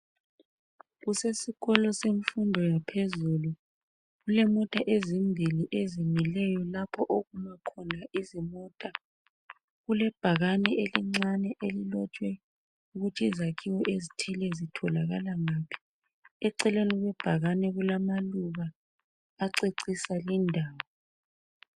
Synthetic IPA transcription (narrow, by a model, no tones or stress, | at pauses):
ɣusesiɣɔlɔseɱfundʱɔjapʰezulu | ɣulɛmɔtʼaʔezimbʱiliʔezimɛlɛjɔlapʰɔʔoɣumakʰɔnaʔizimɔːtʼa | ɣulɛb̥ʱaɣanɛʔeliŋ͡ǀanɛʔelilɔt͡ʃʼwɛ | uɣutʰizakʰiwɔʔezitʰilɛzitʰɔlaɣa̰laŋaːpʰi̥ | ɛǀɛleniɣɛb̥ʱaɣanɛɣulamaluɣaː | ǀeǀisalindʱaːwɔ